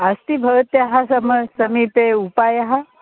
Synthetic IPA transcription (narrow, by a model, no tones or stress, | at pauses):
əst̪ibʱəɡət̪jaɦasɐməsɐmipeupajaɦa